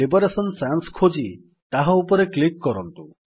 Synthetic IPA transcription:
ibɔɾesɔnsanskʰod͡ʒi | t̪aɦɔ̃upɔɾeklikːɔɾɔnt̪u

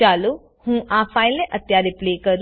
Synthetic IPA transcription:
aːlu | hũːʔaːpʰaːɪlnẽʔət̪jaːɾɪpleːkəɾ

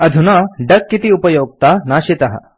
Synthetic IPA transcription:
ɐd̪ʱunaɖɐkːit̪iupɐjoːɡ̚t̪anaːɕit̪ɐɦɐ̰

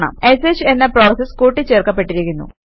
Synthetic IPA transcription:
ɳɐ̰mesesenːɐpro̞ːsɐskuːʈːit͡ɕːe̞ːrkːɐpːe̞ʈːiɾikʲːunːṵ

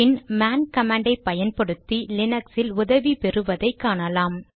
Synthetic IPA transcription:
ɪnmaːnkɐmaːɳɖɐɪpːɐjɐnpɐɽɯt̪ːilɪnɐksɪlʊðɐʋipɛrɯʋɐðɐɪkːaːɳɐlaːm

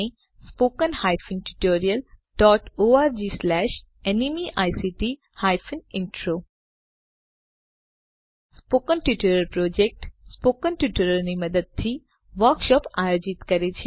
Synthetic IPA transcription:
ẽ | spoːkənhaːjfʰənʈuʈoːɾiəlɖ̥ɔːʈoaːɾd͡ʒislɛːʃ | enimiʔaːjsiʈi | haːjfʰənɪ̃ɳʈɾo | spoːkənʈuʈoːɾəlpɾoːd͡ʒek̚ʈspoːkənʈjuʈoɾəɾnimɐd̪əd̪̚t̪ʰi | ʋəɾkʃɔːpaːjoːd͡ʒɪt̪kɐɾet͡ʃʰe

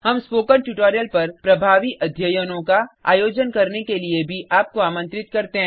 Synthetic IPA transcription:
hɐmspoːkəɾʈuʈoːɾijəlpɐɾpɾɐbʱaːʋiʔɐd̪ʱjəjənõkaa̰ːjoːd͡ʒənkɐɾnekeliebʱiʔaːp̚koaːmə̃nt̪ɾɪt̪kɐɾt̪eɦɛ̃ː

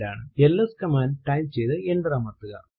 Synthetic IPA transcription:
ɾaːɳɨelːɐskɐmaːnʈɐjmt͡ɕejðɨeɳɖɨrɐːmɐt̪ːɨɣɐ̰

